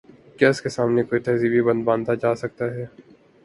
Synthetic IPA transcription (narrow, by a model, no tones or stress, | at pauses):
kɛːskesaːmnekoːit̪ɛːzibʱibɐ̃nd̪bãːnt̪ad͡ʒaːsɐk̚t̪aɦɛː